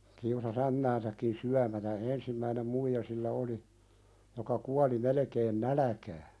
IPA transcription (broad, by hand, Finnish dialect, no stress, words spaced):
kiusɑs æmːæːnsækːin syæmætæ ensimːæinem muijɑ silːæ oli jokɑ kuɑli melĕkeːn nælæ̆kæː